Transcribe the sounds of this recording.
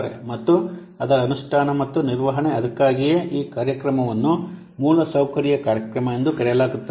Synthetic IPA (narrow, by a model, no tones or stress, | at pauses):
ɾḛmɐt̪ːu | ɐd̪ɐɐnuʂʈʰaːnɐmɐt̪ːuniɾʋɐɦɐɳeɐd̪ɐkːaːɡijeʔiːkaːɾjɐkɾɐmɐʋɐnːu | muːlɐsɐwkɐɾijɐkaːɾjɐkɾɐmɐend̪ukɐɾɛjɐlaːɡut̪ːɐ